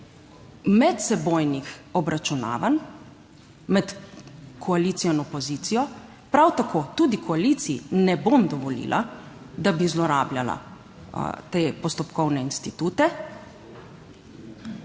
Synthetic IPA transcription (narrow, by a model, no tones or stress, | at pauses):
mɛt̪sɛbojnixɔbɾat͡ʃuna̰ːʋan | mɛt̪kʰɔaliːt̪sijɔnɔpɔzit̪sijɔ | pɾawt̪akʰot̪uːd̪ikʰɔalit̪siḭnɛbomd̪ɔʋɔlḭlʔa̰ | d̪abizlɔɾaːbljʲala̰ | t̪eːpɔst̪ɔpkɔwnɛinst̪it̪uːt̪ɛ